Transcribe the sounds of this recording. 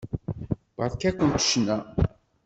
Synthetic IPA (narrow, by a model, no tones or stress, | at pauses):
bɑðˤkækʷːənt̪ʃnæ